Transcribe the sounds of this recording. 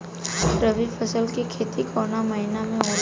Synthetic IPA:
ɾəʋipʰəsəlkikʰeːt̪ikʰoːɾnamɐɦinamẽɦo

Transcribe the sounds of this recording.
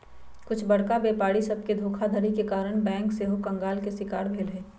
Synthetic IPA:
kʊt͡ʃʰbɐɽkabeːpaːɽisɐb̚ked̪ʱoːkʰad̪ʱəɾikekaːɾəɽ̃bɛ̃ːŋkseɦokɐ̃ŋɡaːlkesɪkaːɾbʱeːlɦɛː

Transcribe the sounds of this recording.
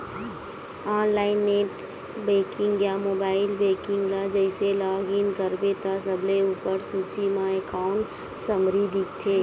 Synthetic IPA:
ãːnlaːɪnːeːʈ | beːkɪ̃ŋɡjaːmoːbaːɪlbeːkɪ̃ŋɡlad͡ʒɛɪselaːɡɪnkəɾbet̪as̬əbleuːpəɾsuːt͡ʃimãekaːʊ̃ɳʈ | səmɾid̪ʱɪk̚t̪ʰeː

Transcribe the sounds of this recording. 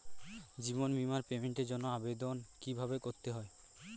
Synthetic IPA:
d͡ʑibonbimaɾpemeɳʈeɾd͡ʑonːoabed̪onkibʱabekoɾt̪eɦɔe

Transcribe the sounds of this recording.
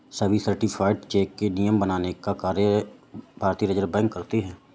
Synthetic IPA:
səbʱisəɾʈipʰaːɪɖt͡ʃeːkːenijəmbɐnaːnekakaːɾjəbʱaːɾt̪iːəɾəd͡ʒəɾbɛ̃ːŋkːɐɾt̪iɦɛ̃ː

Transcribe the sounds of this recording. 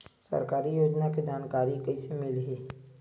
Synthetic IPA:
sɐ̰ɾkaːɾijoːd͡ʒnakid͡ʒaːnkaːɾikɐisemɪlɦiː

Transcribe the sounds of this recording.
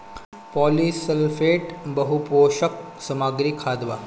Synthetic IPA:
pɔlisəlfeʈbəɦupoʃək̚ | səmaːɡɾiːkʰaːd̪ʋa̰

